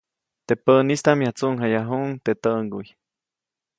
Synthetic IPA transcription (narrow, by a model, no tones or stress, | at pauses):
t̪eʔpənist̪amjat͡suʔŋɦajaɦuŋt̪et̪əʔŋɡuj